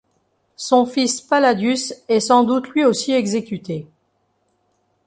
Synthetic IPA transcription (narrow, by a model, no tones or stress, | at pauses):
sɔ̃fispalad̪ysɛsɑ̃d̪ut̪lɥiosiɛɡzekʲyt̪e